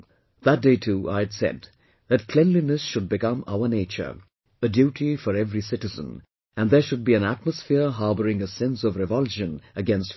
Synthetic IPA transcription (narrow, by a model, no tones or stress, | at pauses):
ðət̚d̥eɪtʰua̰ɪdsɛ̰d | ðɨt̚kʰl̥ɛ̃nlinɨsʃʊd̚bɨkʌ̃ma̰ʊəneɪt͡ʃə̰˞ | ədjuːʈʰifɔɾɛvɹisɪɾɨzə̰̃n | æ̃nðə˞ʃʊd̚biɨ̃næt̚məsfɪɹɦɑɹbəɾɪ̃ŋəsɛ̃nsʌvɹɨvʌlˠʃɨ̃nɨɡɛ̃nst